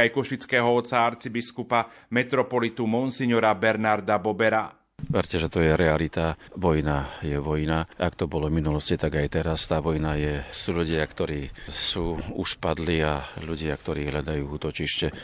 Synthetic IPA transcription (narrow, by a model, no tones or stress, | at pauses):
ajkɔʃit͡skɛːɦɔɔt̪t͡saaɾt͡sibiskupamɛt̪ɾɔpɔlit̪umɔnsiɲɔɾabɛɾnaɾd̪abɔbɛɾa | ʋɛɾcɛʒɛt̪ɔjɛɾɛalit̪aʋɔjnajɛʋɔjnaʔakt̪ɔbɔlɔvminulɔscit̪aɡajt̪ɛɾast̪aːʋɔjnajɛsuːʎuɟɪakt̪ɔɾiːsuːuʃpad̪liaʎuɟɪakt̪ɔɾiːɦʎad̪ajuːuːt̪ɔt͡ʃiʃcɛ